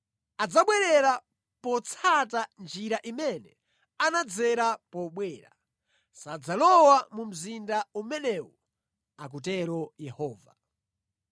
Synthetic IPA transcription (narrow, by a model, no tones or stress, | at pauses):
ad͡zaɓwɛɾɛɾa | pɔt͡sʰatand͡ʒiɾaʔimɛnɛ | anad͡zɛɾapɔɓwɛːɾa̰ | sad͡zalɔwamum̩zindaumɛnɛwɔ | akutɛɾɔjɛhɔːva̰